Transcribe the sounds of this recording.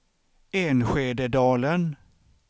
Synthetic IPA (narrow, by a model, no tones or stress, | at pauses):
eːnɧeːd̪əɖ̪ɑːlən